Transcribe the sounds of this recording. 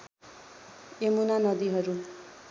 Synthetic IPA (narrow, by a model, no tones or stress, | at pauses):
emunanʌd̪iɦʌɾu